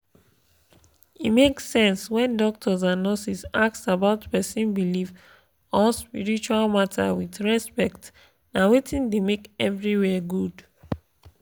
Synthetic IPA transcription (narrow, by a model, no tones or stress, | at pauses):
imeksɛ̃nswɛ̃ndɔk̚tʰɔzãnːɔsisak̚sabaʊtpɛsĩnbiliv | ɔspiɹit͡ʃualmatʰa̰witɹɛspɛkt | nawetʰĩndemekɛvɹiwɛɡud